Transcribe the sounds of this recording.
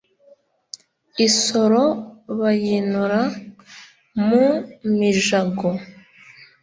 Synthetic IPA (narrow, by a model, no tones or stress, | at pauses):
iso̞ɾoβajinuɾa | mumiʒaɡo